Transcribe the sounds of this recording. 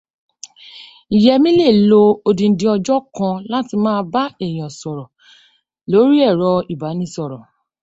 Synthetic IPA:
i˨jɛ˧mĩ˦le˦˨lo˧o˧dĩ˧˨˦dĩ˧ɔ˧d͡ʒɔ˦kã˧la˦ti˧mãː˦˧ba˦ɛ˦˨j̃ɔ̃˨sɔ˨ɾɔ˨ | lo˨˦ɾi˦ɛ˦˨ɾɔ˧i˨ba˨˦nĩ˧sɔ˨ɾɔ˨

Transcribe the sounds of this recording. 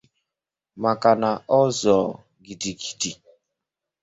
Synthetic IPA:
ma˨ka˨na˨ɔ˦zɔ˨ | ɡi˨di˨ɡi̥˨di˨

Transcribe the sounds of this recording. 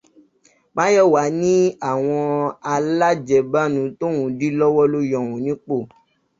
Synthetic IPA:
k͡pã˦jɔ˦˨wa˨˦nĩ˦a˨w̃ɔ̃˧a˧la˦d͡ʒɛ˨ba˦nũ˧˦to˦wũ˨˦di˦lɔ˦wɔ˦lo˦jɔ̃˨wũ˨˦nĩ˨˦k͡po˦˨

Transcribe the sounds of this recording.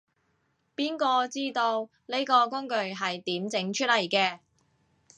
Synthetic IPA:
piː˥nkɔː˧t͡siː˥t̪o˧w | ne˥jkɔː˧kʊ˥ŋkɵ˧ɥɦɐ˨jt̪iː˨˥mt͡sɪ˨˥ŋt͡ʃʰɵ˥t̚lɐ˨˩jkɛː˧

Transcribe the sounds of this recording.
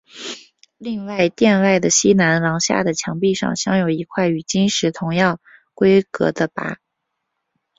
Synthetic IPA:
li˥˧ŋwa˥˩˧ɪt̪jɛ˥˧nwa˥˩ɪd̪ə˩ɕi˥na˧˥nlɑ˧˥ŋɕja̰˥˩d̪ə˩t͡ɕʰjɑ˧˥ŋpi˥˧ʂɑ̰˥˩ŋɕjɑ˥ŋjo˨˩ʊi˧˥kʰwa˥˩ɪy˨˩t͡ɕi˥nʂɻ̩˧˥t̪ʰʊ˧˥ŋjɑ˥˩ʊkwe˥ɪkɤ̰˧˥d̪ə˧pa̰˧˥

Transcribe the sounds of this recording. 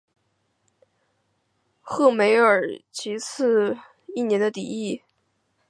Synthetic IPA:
xɤ˥˩me˧˥ɪə˞˨˩t͡ɕʰi˧˥t͡sʰɹ̩˥˧ | i˥˩njɛ˧˥nd̪ə˧t̪i˨˩i˥˩

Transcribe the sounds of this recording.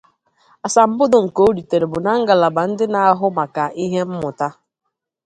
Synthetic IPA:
a˨sa˨m̩˨bʊ˦dʊ˨ŋ̩˨ko˦o˦ɾi˨te˨ɾe˨bʊ˨na˦ŋ̩˦ɡa˨la˨ba˨n̩˦dɪ˦na˨a˦ɦʊ˦ma˨ka˨ʔi˦ɦe˦m̩˦mʊ˨ta˦

